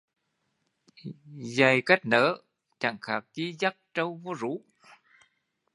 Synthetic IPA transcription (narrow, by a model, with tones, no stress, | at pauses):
za˨˩jka˦˥jk̚nəː˨˦ | t͡ɕa̰˧˩˨ŋxaː˨˩p̚t͡ɕi˧˦za˦˥k̚t͡ɕə˧wvo˧zu˨˧˦